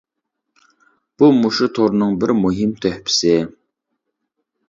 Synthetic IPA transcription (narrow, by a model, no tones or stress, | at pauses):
b̥umuʃut̪ʰoɾnɨŋbɪɾmuɦɪmt̪ʰøhpʰɪ̥sɪ